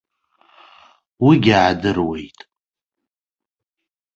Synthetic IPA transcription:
wiɡʲaʕadɨrwe̞jtʼ

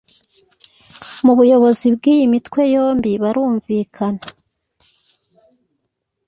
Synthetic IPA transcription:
muβujo̞βo̞zib̚ɡiːjimitkwe̞jo̞ːmbiβaɾuːɱviːkʰana

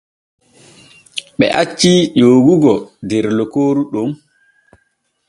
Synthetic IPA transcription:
ɓɛ̰ʔat͡ʃːiʄoːɡuɡɔdɛɾlɔkoːɾuɗum

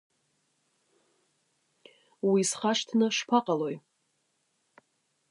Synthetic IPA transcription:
wisχaʂtʰnɨʂpʰaqʼalo̞j

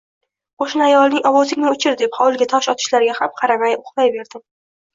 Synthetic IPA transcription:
qʰoʃnɪajɒlˠnɪŋɒwɒzɪŋʲnɪʊt͡ʃʰɪɾd̪ephɒwlˠɡʲat̪ʰɒʃɒt̪ʰɪ̥ʃlaɾɡʲahamqʰɑɾamajʊχbajbe̞ɾd̪ɪm

